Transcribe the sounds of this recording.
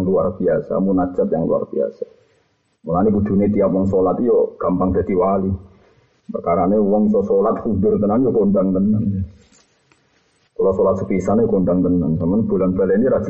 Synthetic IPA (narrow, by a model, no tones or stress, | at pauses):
ŋluarb̥iasa̰munad̥d͡ʒ̥at̪̚jaŋlua̰rb̥ia̰sa | mulanikud̪̥ṳnet̪iap̚wɔŋsolat̪ijɔɡ̥ampaŋd̥̪a̤d̪̥iwali | pakaɾanewɔŋsɔsolat̪kud̪ɪrt̪ənanjokont̪aŋt̪ənan | kolɔsolat̪̚səpisanjokont̪aŋt̪ənansamanb̥ulanbaleniɾad̥d͡ʒ̥